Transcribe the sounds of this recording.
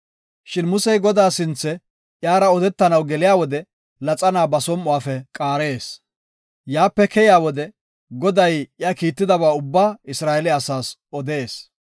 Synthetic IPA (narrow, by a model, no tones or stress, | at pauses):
ʃɪnmʊsɛjɡɔd̪aːsɪnt͡sːɛ | ʔjaːɾɐɔd̪ɛt̪ːɐnɐwɡɛlɪjaːwɔd̪ɛ | lɐt͡sʼɐnaːbɐsɔmːʊwaːfɛkʼaːɾeːs | jaːpːɛkɛjɪaːwɔd̪ɛ | ɡɔd̪ɐjɪjaːkiːt̪ːɪd̪ɐβaːʊbːaːɪsɾaːɛlɪɐsaːsɔd̪eːs